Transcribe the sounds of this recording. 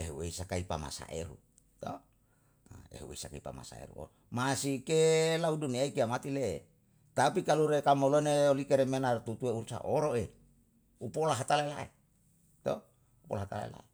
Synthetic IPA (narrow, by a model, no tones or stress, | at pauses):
eɦṵeisakaipama̰sa̰ʔeɾṵ | t̪o̰ | ḛɦṵḛisakaipa̰ma̰sa̰ḛɾṵo̰ | masikelauduniaikiamat̪ile | t̪apikaluɾekamoloneolikeɾemenart̪ut̪ueursa̰ʔoɾoe | upolaɦat̪alaela̰ḛ | t̪o | upo̰laɦat̪a̰lḛla̰e